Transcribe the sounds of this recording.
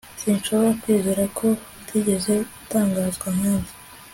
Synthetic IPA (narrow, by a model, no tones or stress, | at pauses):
siːnʃo̞βo̞ɾakwiːzeɾakʰo̞atʰiɟe̞ze̞ɡutaːŋɡaːzɡwamaːnva